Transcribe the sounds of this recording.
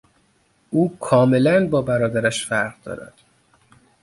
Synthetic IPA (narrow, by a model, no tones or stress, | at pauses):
ʔuːkʰɒːme̞lænbɒːbæɾɒːd̪æɾæʃfæɾʁd̪ɒ̰ːɾæ̰d̪̥